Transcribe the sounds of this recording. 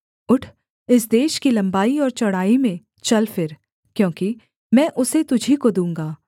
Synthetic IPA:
ʊʈʰ | ɪs̬d̪eːʃkilɐ̃mbaːiɔːɾt͡ʃɐɽaːimẽ | t͡ʃɐlfɪɾ | kjõːki | mɛ̃ːʔʊset̪ʊd͡ʒʱikod̪ũːŋɡaː

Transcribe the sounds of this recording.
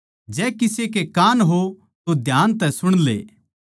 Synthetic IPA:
d͡ʒɛːkɪsekekaːnɦo | t̪od̪ʱjaːnt̪ɛ̃sʊɽ̃lḛː

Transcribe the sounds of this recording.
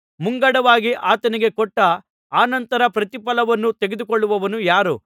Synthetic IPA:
muŋɡɐɽɐʋaːɡiʔaːt̪ɐniɡe̞kɔʈːɐ | aːnɐnt̪ɐɾɐpɾɐt̪ipɐlɐʋɐnːut̪eɡed̪ukɔɭːuʋɐʋɐnujaːɾu

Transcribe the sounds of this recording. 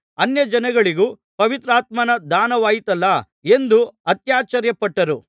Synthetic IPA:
ɐnjɐd͡ʒɐnɐɡɐɭiɡu | pɐʋit̪ɾaːt̪mɐnɐd̪aːnɐʋaːjit̪ɐlːɐ | e̞nd̪uɐt̪jaːt͡ʃɐɾjɐpɐʈːɐɾu

